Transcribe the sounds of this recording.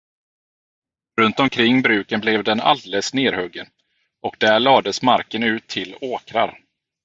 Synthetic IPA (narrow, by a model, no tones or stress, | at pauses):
ɾɵnt̪ɔmkʰɾɪŋːbɾʉ̟ːkənblɛvd̪ɛna̰ld̪ɛləsneːɾhœɡːən | ɔk̚d̪̥æɭɑːd̪əsmaɾkənʉ̟ːt̪ʰːɪloːkɾa̰ɾ